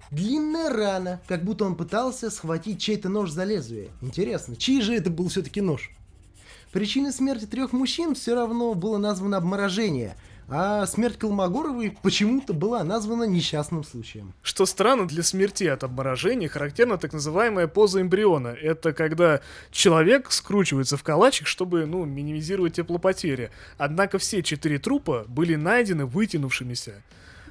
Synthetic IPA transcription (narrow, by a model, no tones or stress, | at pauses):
d̪lʲinːəjəranəkɐɡ̚but̪ːəo̞npɨt̪alˠsʲəsxvɐtʲit̚ʲt͡ɕejt̪əno̞ʐzɐlʲezvʲɪjə̰ɪnʲtʲɪɾʲe̞snət͡ɕijʐɨɛt̪əbɨlˠfsʲɵt̪ə̥kʲɪno̞ʂ | pɾʲɪt͡ɕinəsmʲertʲɪt̪ɾʲoxmʊɕːinfsʲoɾɐvno̞bɨlˠənazvənəɐbməɾɐʐɛnʲɪjə̰ | asmʲertʲkəlˠmɐɡo̞ɾəvəjpət͡ɕɪmut̪əbɨlˠanazvənənʲɪɕːasnɨmslˠut͡ɕɪjə̰mʂt̪o̞st̪ɾanːəd̪lʲɐsmʲɪrtʲiɐt̪ɐbməɾɐʐɛnʲɪjəxəɾɐktʲe̞rnət̪aknəzɨvajɪməjəpo̞zəɪmbɾʲɪo̞nəɛt̪əkɐɡd̪a | t͡ɕɪlˠɐvʲe̞kskɾut͡ɕɪvəjɪt̪səfkɐlˠat͡ɕɪkʂt̪o̞bɨnumʲɪnʲɪmʲɪzʲiɾəvət̚ʲːɪplˠəpɐtʲeɾʲɪɪ | ɐd̪nakəfsʲet͡ɕɪt̪ɨɾʲɪt̪ɾupəbɨlʲɪnajdʲɪnɨvɨtʲɪnʊfʂɨmʲɪsʲə